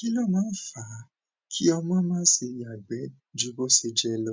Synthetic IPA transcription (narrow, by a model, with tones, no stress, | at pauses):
ki˦lɔ˦˨mãː˦fa˨˦ | kʰi˦ɔ˧mã˦mãː˦si˧ja˨ɡ͡bɛ˨˦ | d͡ʒu˨˦bo˦se˧d͡ʒɛ˦lɔ˧